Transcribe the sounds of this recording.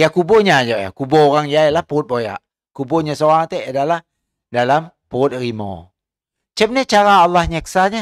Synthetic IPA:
jakuboɲad͡ʒoʔja̰kubooɾaŋd͡ʒailahpuʊt̪̚boja̰ʔ | kuboɲasoaŋt̪ɛʔadalah | dalam | puʊt̪̚rimo̰ | t͡ʃəp̚nɛt͡ʃaɾaːlːahɲɛksaɲa

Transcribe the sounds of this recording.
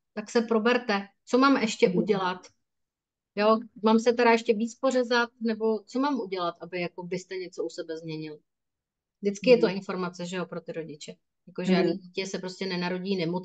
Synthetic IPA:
t̪aksɛpɾo̞bɛɾt̪ɛt͡so̞maːmʔɛʃcɛʔuɟɛlat̪ | jo̞maːmsɛt̪ɛɾajɛʃcɛviːt͡spo̞rɛzat̪̚nɛbo̞t͡so̞maːmuɟɛlat̪ʔabɪjako̞bɪst̪ɛɲɛt͡sousɛbɛzmɲɛɲɪlɪ | vdɪt͡skɪjɛt̪o̞ʔɪnfo̞ɾmat͡sɛʒɛjo̞pɾo̞t̪ɪɾo̞ɟɪt͡ʃɛ | jako̞ʒɛiicɛsɛpɾo̞scɛnɛnaɾo̞ɟiːnɛmo

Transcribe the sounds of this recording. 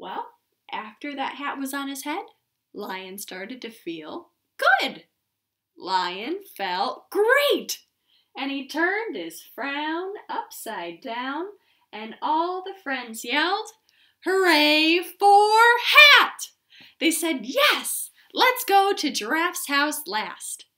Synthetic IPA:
wɛlˠ | ʔæftə˞ðɨ̰t̚ɦæʔ̚wʌzn̩ɨz̥hɛd̥ | laɪɨ̃nstɑɹɾɨd̚tɨfilˠ | ɡ̥ʊd | laɪɨ̃nfɛlˠt̚ɡ̥ɹeɪt | ɨ̃nitʰɜ̃˞nd̥̚ɪz̥fɹãʊ̃nʌpsaɪdãʊ̃n | ʔɨ̃nɔlˠðɨfɹɛ̃ndz̥jɛlˠd̥̚ | hə˞eɪfə˞hæt̚ | ðeɪsɛd̚jɛs | lətsɡ̥oʊɾɨdɹæfshaʊslæst

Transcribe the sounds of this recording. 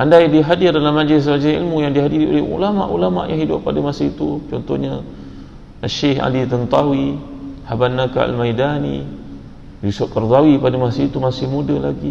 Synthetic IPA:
ʔandajdiɦadɪrdalahmad͡ʒlɪs̬mad͡ʒlɪsḭlmujaŋdiɦadiɾiʔo̰lehṵlama̰ʔulama̰ʔjaŋɦidʊʔpːadamasait̪ut͡ʃɔnt̪ɔhɲa | aʃeha̰lit̪ənt̪awihabanːaka̰ʔa̰lmajdanḭ | bisuʔkərd̪awipadamasait̪umasɪhmudəla̰ɡi

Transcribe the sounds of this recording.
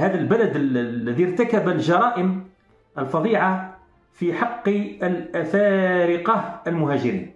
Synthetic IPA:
hæd̪əlbælæd̪llːæd̪iɾˤt̪akabælʒɑɾˤɑːʔəm | ʔəlfɑd̪ˤiʕa | fiħɑqːəlʔæfæɾɪqɑhəlmʊɦæʒɪɾḭːn

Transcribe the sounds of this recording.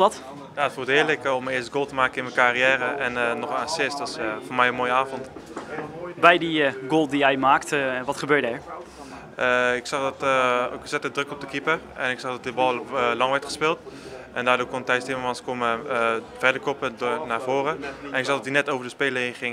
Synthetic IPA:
dɑt | jaːtfuːtɪːɹləkɔmɪːstəɡoːlˠtəmaːkənɪnməkarijɛːɾəʔɛnnɔχnasɪstdɔtɪsfoːɹmɛjənmoːjəaːvɔnt | bɛjdiɡoːlˠdijɛjmaːktʋɑtχəbøːtdɛɹ | əɪksɑχdɔtksɛtədrøkɔp̚dəkipə | ɛnɪksɑχdɔt̚dɪbɔlˠlɑŋʋɛɹtχəspɪːlˠtʔɛndaːɹdoːɹkɔntɛjstɪməmɑnskoməfɛdəɹkopədonaːɹv̥oːrəɛnɪksɑχdɑtdinɛtowvəɹdəspeːləɦenχɪŋ

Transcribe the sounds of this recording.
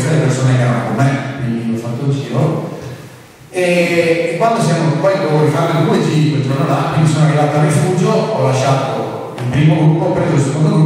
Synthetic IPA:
salepersoːneɛɾanakomːekwind̪iɔfːat̪ːod͡ʒiːɾo | eːkːwand̪os̬jamopɔjkorifamild̪ued͡ʒiked͡ʒornolakwinisoːnoarivaːt̪arːifuːd͡ʒoɔlːaʃːaːt̪o | ilpɾiːmoɡɾupːopːeɾiod̪osekond̪oɡɾu

